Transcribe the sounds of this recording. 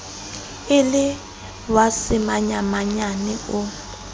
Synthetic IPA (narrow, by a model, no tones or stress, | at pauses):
ɪlɪ | wasɪmaɲamaɲanɛʊ